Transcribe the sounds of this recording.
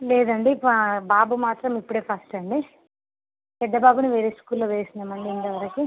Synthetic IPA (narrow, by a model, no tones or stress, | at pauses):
leːd̪ɐɳɖibaːbumaːt̪ɾɐmipːuɽe̞ːpʰɐsʈɐɳɖi | pɛɖːɐbaːbuniʋeːɾeːskuːlːoːʋeːsinɐmɐɳɖind̪ɐʋɐɾɐki